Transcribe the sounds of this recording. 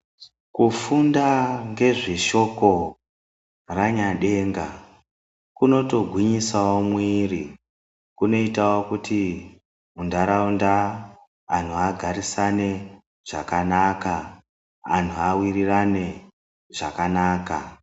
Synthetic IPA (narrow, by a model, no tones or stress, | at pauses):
kufundaŋɡe̞ʐiʃo̞ko̞ | raɲaɗe̞ːŋɡa | kuno̞to̞ɡʱwiɲisawomwiːri | kuno̞itawokuti | undaɾaundaː | n̤uaɡʱaɾisane̞ | ʐ̥a̰kanaːkaː | n̤uawirirane̞ | ʐ̥a̰kanaːka